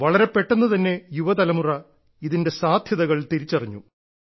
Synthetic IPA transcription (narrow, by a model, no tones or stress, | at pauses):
ʋɐɭɐɾe̞pe̞ʈːenːut̪ɐnːe̞juʋɐt̪ɐlɐmurɐ | iðinde̞saːd̪ʱjɐðɐɣɐɭt̪iɾit͡ɕːɐriɲːu